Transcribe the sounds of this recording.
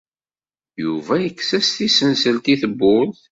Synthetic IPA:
juvæjəkːsæsθisənsəlt̪iθəbːʊɾθ

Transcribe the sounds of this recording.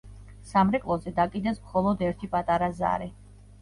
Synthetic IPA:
samɾɛkʼlˠɔzɛd̪akʼid̪ɛsmχɔlˠɔd̪ɛɾt̪ʰipʼat̪ʼaɾaza̰ɾɛ

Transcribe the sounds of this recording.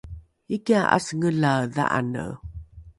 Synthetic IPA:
ikiaʔa̰səŋəɮaða̰ʔa̰nə̰

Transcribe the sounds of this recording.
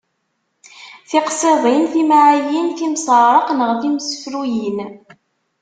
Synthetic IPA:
θiqseðˤinθimaʕajinθimsˤəɾˤəqnəʁθimsə̥fɾujin

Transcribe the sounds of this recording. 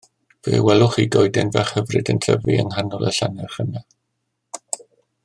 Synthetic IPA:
v̥eːwɛlˠʊχidɔɨdɛnvɛχhəvrɨdəntʰəviənɦanɔlˠəɬanɛχəna

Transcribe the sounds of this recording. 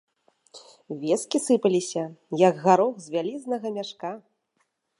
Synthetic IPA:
vʲeskʲisɨpɐlʲisʲɐjɐɡɣaɾɔxzʲvʲalʲiznɐɣɐmʲaʂka

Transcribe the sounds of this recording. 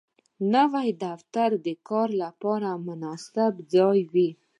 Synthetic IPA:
nawajd̪aft̪aɾd̪əkɑɾlapɑɾamʊnɑsɪbzɑjwi

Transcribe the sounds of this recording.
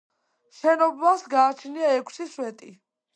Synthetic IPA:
ʃɛnɔbasɡaːt͡ʃʰniaɛkʷʰsiswɛt̪ʼi

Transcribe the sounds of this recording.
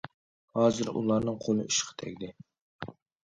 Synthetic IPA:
hɑːzɨɾṵlˠɑɾnɨŋqʰolˠɨʔyʃqʰɑ̥t̪ʰɛ̰kʲd̪ɪ

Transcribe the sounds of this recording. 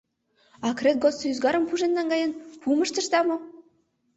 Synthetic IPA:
ɑkrʲet̪̚ɡosyzɡɑɾɤ̆mpuʒĕnːɑnɡɑjɤnpumɤ̆ʃt̪ɤ̆ʃt̪ɑmŏ

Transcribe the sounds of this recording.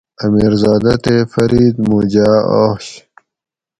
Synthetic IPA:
ɐmiːɾzaːd̪ɐt̪efɐɾiːd̪muːd͡ʑaːo̰ːɕ

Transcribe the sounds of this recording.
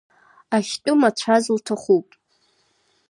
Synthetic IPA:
aχʲtʼʊmat͡ɕʷʰazltʰaχupʼ

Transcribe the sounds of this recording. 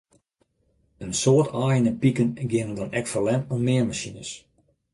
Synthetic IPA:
ənsoːtʰaːjənəpikənɡɪnəndɔnɛkfəlɛnɔmmɪːərmasinəs

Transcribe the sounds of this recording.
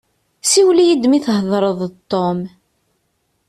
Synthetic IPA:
siwlijid̪miθhðˤɾˤəðˤt̪ˤːom

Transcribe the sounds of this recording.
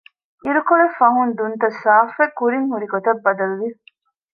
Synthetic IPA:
iɾukoɾefɐɦund̪unt̪ɐsaːfekːuɾiŋhuɾiɡot̪ɐbːɐd̪ɐluʋi

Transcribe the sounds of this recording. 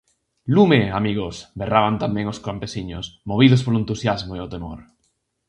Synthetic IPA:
lumeamiɣ̞osberaβ̞ant̪amẽŋoskampesiɲosmoβiðospoloent̪usjazmoeot̪emo̰ɾ

